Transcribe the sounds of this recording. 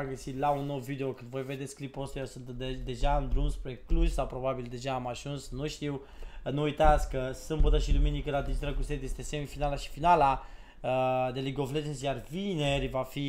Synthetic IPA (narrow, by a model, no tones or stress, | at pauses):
amɡəsit̪launːowvid̪e̞okɨnd̪vo̞jve̞d̪e̞t̪sʲklipost̪ajewsunt̪d̪e̞ʒaɨnd̪ɾumspɾe̞kluzʲsawpɾo̞babild̪e̞ʒaːmaʒunsnuʃt̪iw | nuːjt̪at̪sʲkkəsɨmbət̪əʃid̪uminikəlad̪id͡ʒist̪ɾakluset̪jest̪e̞semfinalaʃi̥finala | əd̪e̞liɡoflet͡ʃensjarvine̞rʲvafi